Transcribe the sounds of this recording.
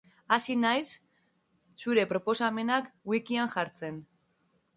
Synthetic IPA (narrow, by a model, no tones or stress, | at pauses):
asinajsː | uɾe̞pɾo̞po̞same̞nakwikiaŋʝaɾt͡se̞n